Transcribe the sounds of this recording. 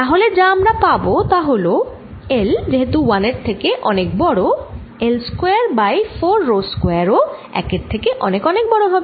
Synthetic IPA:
t̪aɦoled͡ʑaamɾapabot̪aɦolo | eld͡ʑeɦet̪uwaneɾt̪ʰekeʔɔ̰nekbɔɽo | elskeaɾbajfoɾːoskwaɾoɛ̰keɾt̪ʰekeʔɔnekɔnek̚bɔɽobʱɔbe

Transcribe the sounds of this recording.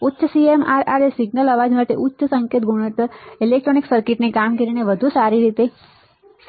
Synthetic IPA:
ʊtːʃəsiemaɾaɾesiɡnələʋad͡ʒmaʈeʔʊtːʃəsə̃ŋket̪̚ɡʱuɽ̃ət̪əilek̚ʈɾoniksəɾkiʈnekamkəɾineʋəd̪ʱusaɾiɾit̪e

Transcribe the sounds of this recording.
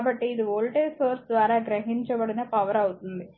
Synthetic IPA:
aːbɐʈːiːd̪iʋoːlʈeːsoːɾsd̪ʋaːɾaːɡɾɐɦiɲt͡ʃɐbɐɽinɐpɐʋɐɾɐwut̪und̪i

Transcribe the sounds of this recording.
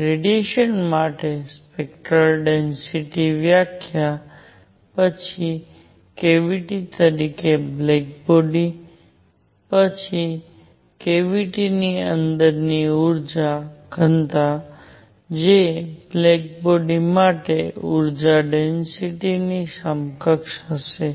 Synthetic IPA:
kɾeɖjeʃənmaʈespekʈɾəlɖensiʈiʋjakʰja | pət͡ʃʰi | keʋiʈit̪əɾikeblɛk̚boɖi | pət͡ʃʰi | keʋiʈiniənd̪əɾniuɾd͡ʒaɡʱənt̪a | d͡ʒeblɛk̚boɖimaʈeuɾd͡ʒaɖensiʈinisəmkəkʃɦəʃe

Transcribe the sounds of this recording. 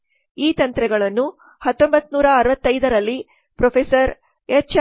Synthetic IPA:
iːt̪ɐnt̪ɾɛɡɐɭɐnːu | hɐt̪ːo̞mbɐt̪ːnuːɾɐːɾɐʋɐt̪ːɐjd̪ɐɾɐlːi | pɾopʰesɐɾ | et͡ʃ

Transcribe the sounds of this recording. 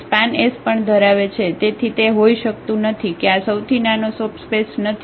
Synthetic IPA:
spanespəɳd̪ʱəɾaʋet͡ʃʰet̪et̪ʰit̪eɦoiʃəkt̪ũnət̪ʰikeasəwt̪ʰinanosəbspesnət̪ʰ

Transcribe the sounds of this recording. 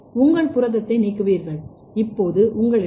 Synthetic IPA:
ʊŋɡɐɭpʊɾɐðɐt̪ːɐɪniːkːɯʋiːɾɣɐɭ | ɪpːoːðɯʔʊŋɡɐɭɪ

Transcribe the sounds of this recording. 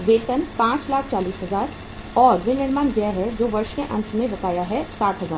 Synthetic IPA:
ʋeːt̪ənpãːt͡ʃlaːk̚ʰt͡ʃaːliːsɦɐzaːɾ | ɔːɾʋɪnɪɾmaːnɡɛːɦəɾd͡ʒoːʋɐɾʃkeʔɐ̰̃nt̪mẽbɐkaːjaɦɛsaːʈɦɐzaːɾ

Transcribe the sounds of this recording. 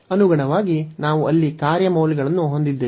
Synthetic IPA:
ɐnuɡɐɳɐʋaːɡinaːʋuɐlːikaːɾjɐmɐwliɡɐɭɐnːuɦo̞nd̪id̪ːe

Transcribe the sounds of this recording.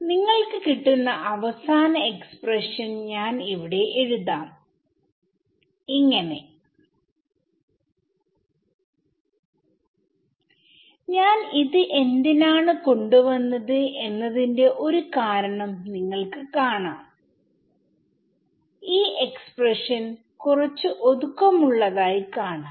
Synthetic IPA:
niŋːɐɭkɨkiʈːunːɐʔɐʋɐsaːnɐe̞kspreʂɐnɲaːniʋiɽe̞ʔeɻuðaːm | iŋːɐne̞ | ɲaːniðɨʔe̞ndinaːɳɨko̞ɳɖuʋɐnːɐðɨʔe̞nːɐðinde̞ʔo̞ɾukaːɾɐɳɐmniŋːɐɭkɨkaːɳaːm | iːe̞kspreʂɐn | kurɐt͡ɕːuʔo̞ðukːɐmuɭːɐðaːjikaːɳa

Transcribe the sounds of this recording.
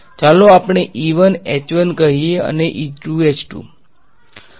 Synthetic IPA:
t͡ʃaloapɳ̃eʔiʋənet͡ʃʋənkəɦieə̰neʔiʈuet͡ʃʈṵ

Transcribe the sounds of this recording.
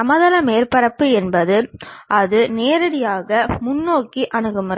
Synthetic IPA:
ɐmɐðɐlɐmeːɾpɐɾɐpːɯɛnbɐðɯʔɐðɯneːɾɐɽɪjaːɣɐmʊnːoːkiʔɐnɯɣɯmr

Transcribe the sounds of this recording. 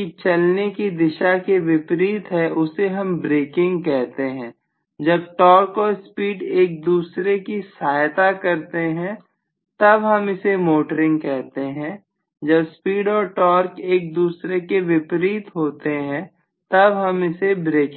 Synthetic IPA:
kit͡ʃɐlnekid̪ɪʃakeʋɪpɾiːt̪ɦɛʔʊseɦɐmbɾeːkɪ̃ŋɡkɛɦt̪eɦɛ̃ː | d͡ʒɐb̚ʈɔːɾkɔːɾspiːɖeːk̚d̪uːsɾekisaːjt̪akɐɾt̪eɦɛ̃ | t̪ɐbɦɐmɪsemoːʈəɾɪ̃ŋɡkɛɦt̪eɦɛ̃ː | d͡ʒɐbspiːɖɔːɾʈɔːɾkeːk̚d̪uːsɾekeʋɪpɾiːt̪ɦoːt̪eɦɛ̃ | t̪ɐbɦɐmɪsebɾeːkɪ̃

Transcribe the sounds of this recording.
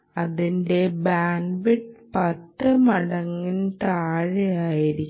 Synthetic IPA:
ɐðindebaːnbiʈpɐtːɨmɐɽɐŋːint̪aːɻeaːjiɾikʲː

